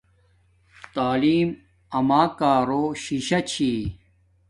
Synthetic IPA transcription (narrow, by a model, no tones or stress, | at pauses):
t̪aːliːm | ɐmaːkaːɾoːɕiɕɐt͡ɕʰiː